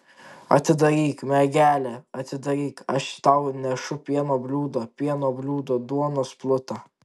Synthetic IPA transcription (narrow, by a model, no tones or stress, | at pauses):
ɐ̰t̪ʲɪd̪ɐɾʲiːkmʲɛɡʲæːlʲɛɐt̪ʲɪd̪ɐɾʲiːkɐʃt̪ɐʊnʲɛʃʊpʲiɛnoːbʲlʲuːd̪oːpʲiɛnoːbʲlʲuːd̪oːd̪uɔnoːsplˠʊt̪ɑ